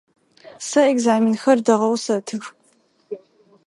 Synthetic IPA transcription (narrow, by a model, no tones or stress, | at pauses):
sɐeɡzaːminxɐrdɐʁɐwsɐtʰɨx